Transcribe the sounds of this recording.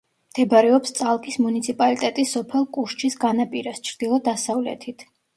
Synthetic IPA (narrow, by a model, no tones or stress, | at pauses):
d̪̥ɛbɾɛɔpst̪sʼalˠkʼismunit̪sʰipʼalit̪ʼɛt̪ʼisːɔpʰɛlˠkʼuɾt͡ʃʰisɡanapʼiɾast͡ʃʰɾd̪̥ilˠɔd̪asavlɛ̰t̪ʰit̪ʰ